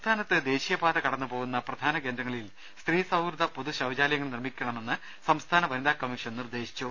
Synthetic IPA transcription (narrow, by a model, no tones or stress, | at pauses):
t̪ʰaːnɐt̪ːɨd̪e̞ːɕijɐbaːd̪ɐkɐɽɐnːupo̞ːɣunːɐprɐd̪ʱaːnɐke̞ːndɾɐŋːɐɭil | st̪riːsɐwɡɾud̪ʱɐpoðuɕɐʋd͡ʑaːlɐjɐŋːɐɭnirmikʲːɐɳɐme̞nːɨ | sɐmst̪ʰaːnɐʋɐnid̪aːkːɐmiʂɐnnird̪e̞ːɕi̥t͡ɕːu